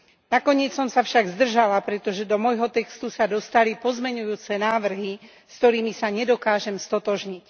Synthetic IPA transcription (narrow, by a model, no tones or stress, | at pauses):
nakɔɲɪɛt͡ssɔmsafʃaɡzd̪r̩ʒalapɾɛt̪ɔʒɛd̪ɔmɔjɦɔt̪ɛkst̪usad̪ɔst̪alipɔzmɛɲujuːt͡sɛnaːʋr̩ɦi | skt̪ɔɾiːmisaɲɛd̪ɔkaːʒɛmst̪ɔt̪ɔʒɲic